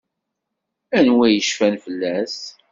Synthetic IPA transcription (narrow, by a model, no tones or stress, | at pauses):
ænwæjəʃfænfəlːæs